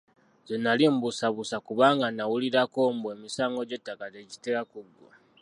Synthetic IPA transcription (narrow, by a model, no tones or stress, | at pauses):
zonːalimbusaβusakuβaːŋɡanawuliɾako̞mbwe̞ːmisaːŋɡo̞ɟe̞tːakazeɟi̥teɾakuɡwo̰